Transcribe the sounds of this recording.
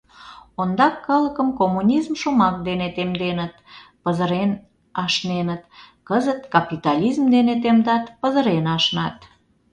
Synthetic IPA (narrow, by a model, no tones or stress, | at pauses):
ond̪ɑkːɑləkəmkomːunʲizmʃomɑk̚d̪enet̪emd̪enət̪pəzəɾen | ɑʃnenət̪kəzət̪kɑpit̪ɑlʲizmd̪enet̪̬emd̪ɑt̪pəzəɾenɑʃnɑt̪